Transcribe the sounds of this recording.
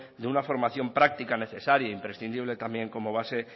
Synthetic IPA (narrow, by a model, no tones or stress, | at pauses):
d̪eunafo̞ɾmaθjo̞mpɾak̚t̪ikane̞θe̞saɾjaimpɾe̞sθind̪iβ̞le̞t̪ambje̞ŋko̞mo̞β̞ase̞